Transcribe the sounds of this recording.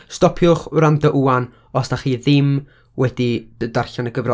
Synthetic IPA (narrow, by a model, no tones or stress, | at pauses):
stɔpʰjʊχrandəʔuan | ɔsdaχiːðɪm | wɛdid̥ədarɬanəɡəvrɔ